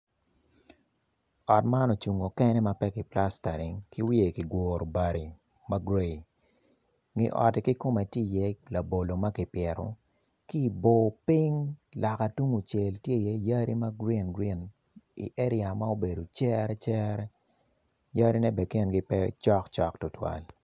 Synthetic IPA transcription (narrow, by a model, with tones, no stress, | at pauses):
ɔ˨tma˦nɔ˨t͡ʃu˨ŋo˨kɛ˦nɛ˦ma˦pɛ˦ki˨pla˦sta˨ɾi˨ŋki˦wi˦e˨ki˨ɡwʷoː˨ɾo˨ba˨ɾi˨ | ma˦ɡɾe˦˨i˨ | ŋɪ˨ʔɔ̰˨te˨ki˦ko˦mɛ˨ti˦˨jɛ˦la˨bo˨lo˨ma˦kɪ˨pjɛ˨ɾo̰˨ | ki˦˨bo˨pi˦ŋla˨ka˨tu˦ŋu˨t͡ʃe˨ltje˦i˨jɛ˦ja˦ɾi˦ma˦ɡɾi˦nɡɾi˦n | ḭ˨ʔɛ˦ɾɪ˦a˨ma˦o˦be˨do˨t͡ʃɛ˦ɾɛ˦t͡ʃɛ˦ɾɛ˦ | ja˦ɾi˦nɛ˦bɛ˨ke˦nɡi˦pɛ˦t͡ʃɔ˦kt͡ʃɔ˦ktʊ˦twa̰˨l